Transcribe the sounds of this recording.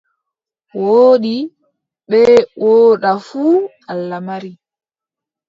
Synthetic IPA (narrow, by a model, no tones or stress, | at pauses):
woːɗi | ɓɛwʔoːɗafuː | alːamaɾi